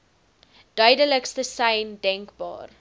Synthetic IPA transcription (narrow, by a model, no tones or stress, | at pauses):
d̥œɥdələkstəsɐjndɛŋkbɑ̰ːr